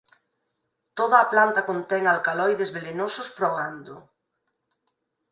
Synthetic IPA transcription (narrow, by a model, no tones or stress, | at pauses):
t̪oð̞ɐːplant̪ɐkont̪ɛŋalkalɔjðezβelenosʊspɾoand̪o̰